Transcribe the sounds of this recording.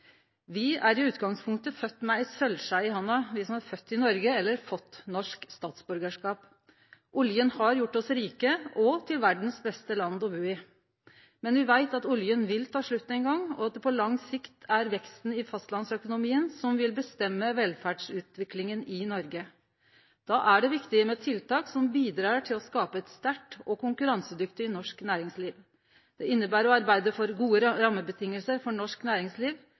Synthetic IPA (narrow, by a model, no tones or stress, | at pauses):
ʋɪæɾɪʉːt̪ɡɑŋspʰʊŋk̚t̪əfœt̪ːmɛæsœlsæɪhɑnːɑʋɪsɔmhɑɾfœt̪ːɪnɔɾɡəɛlːəɾfɔt̪ːnɔʂkst̪ɑːt̪sbʉɾɡəʂkɑːp | ʔʊljənhɑɾjʊʈːɔsɾiːkəʔɔt̪ʰɪlʋæɖɳ̩sb̪ɛst̪əlɑnd̪ɔbʉːɪ | mɛnʋɪʋæɪt̪ɑt̪ʊljənʋɪlt̪ʰɑːʂɭʉt̪ːɛɪnɡɑŋːɔ̰ɑt̪̚d̪ɛpʰɔlɑŋsɪkt̪ʰæɾʋɛkst̪n̩ɪfɑst̪lɑnsœkʊnʊmiːənsɔmʋɪlbəst̪ɛmːəʋɛlfæːɖʂʉːt̪ʋɪklɪŋənɪnɔɾɡə | d̪̥ɑːʔæɖɛʋɪkt̪ɪəmɛt̪ʰɪlt̪ɑːksɔmbiːd̪ɾɑːʈʰɪlɔskɑːpəɛt̪st̪æʈːɔkʰʊŋkʉɾɑnsəd̪ʏkt̪ɪɪnɔʂknæːɾɪŋsliːʋ | d̪̥ɛɪnːəbæːɾɔɑɾbæɪd̪əfɔɾɡuːəɾɾɑmːəbət̪ʰɪŋːəlsəɾfɔɳɔʂknæːɾɪŋsliːʋ